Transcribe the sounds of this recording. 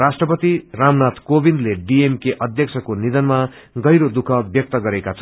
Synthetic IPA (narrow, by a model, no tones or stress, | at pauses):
asʈrʌpʌt̪iramnat̪kobindleɖiemkeʔʌd̪ʱjʌk̚t͡sʰʌkonid̪ʌnma | ɡʌjɾod̪ukʰʌbjʌk̚t̪ʌɡʌɾekat͡sʰ